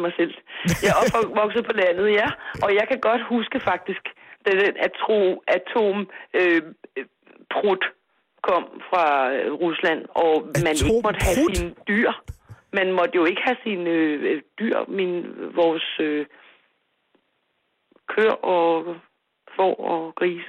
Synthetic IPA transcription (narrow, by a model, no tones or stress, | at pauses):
mɑ̈ɪsel̰jɒfɒʋɒ̽ɡ̥sð̩ˠpʰɒ̽læn̰ð̞̩ˠjæʔɒ̽jɑ̈ɪkʰæɡ̥ɒ̽d̥husɡ̥əfɑ̈ɡ̥̚d̥isɡ̥d̥æd̥enæt͡sʰʁo̝̰ʔæt͡sʰo̝̰mø | pʰʁud̥ | kʰɒ̽m̰fʁɑ̈ʁuslæn̰ɒ̽mæneɡəmɒ̽d̥əɦæsinəd̥yɐ̰mænmɒ̽d̥əjo̝e̝ɡ̥əhæsinød̥yɐ̰menʋɒːsø | kʰøɐ̰ɒ̽ | fɒ̰ːɒɡ̥ʁiːsə